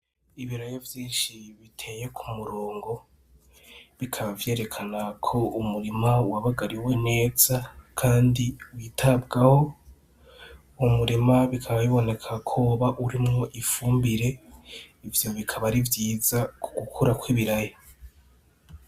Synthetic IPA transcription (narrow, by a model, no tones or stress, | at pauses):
iβiɾajovjiːnʃiβitʰe̞je̞kʰumuɾoːŋɡo̞ | βikʰaβavje̞ːɾe̞kʰanakʰo̞umuɾimauwaβaɡaɾiwene̞ːz̥akʰaːndiuwitʰab̚ɡaho̞ | umuɾimaβikʰaβaβiβo̞ne̞kʰakʰoβaʔuɾimŋo̞ʔifuːmbiɾe̞ivjo̞βikʰaβaɾivjiːzakʰuɡukʰuɾakwiβiɾajo